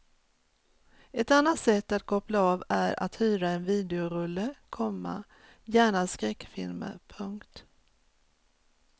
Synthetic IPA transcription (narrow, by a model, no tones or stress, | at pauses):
ɛt̪anːat̪sɛt̪ːat̪kʰɔplaavæɾa̰t̪hyːɾaɛnviːd̪ɛʊɾɵlːəkʰɔmːa̰ | jæːɳaskɾɛkːfɪ̰lmə̰pʰɵŋkt̪